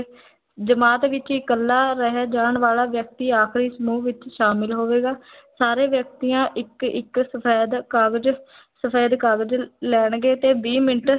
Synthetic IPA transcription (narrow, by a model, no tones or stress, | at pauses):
d͡ʒəmaːt̪ʋɪt͡ʃɪkəlːaːɾəɦɛːd͡ʒaːɳʋaːlaːʋjək̚t̪iːaːkʰɾiːsəmuːʋɪt͡ʃʃaːmɪlɦoːʋeːɡaːsaːɾeːʋjək̚t̪iːãːʔɪkɪ̰ksəpʰɛːd̪kaːɡd͡ʒ | səpʰeːd̪kaːɡəd͡ʒlɛːɳɡeːt̪eːbiːmɪnʈ